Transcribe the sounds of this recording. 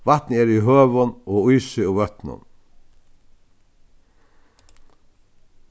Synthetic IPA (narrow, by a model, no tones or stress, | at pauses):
ʋat̪nəɛɾiɦøːʋʊnɔːujsʏuʋœt̪nʊ̰n